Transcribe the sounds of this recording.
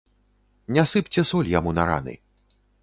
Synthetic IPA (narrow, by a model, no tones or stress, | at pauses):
nʲasɨpt͡sʲɛsɔlʲjamunɐɾa̰nɨ̰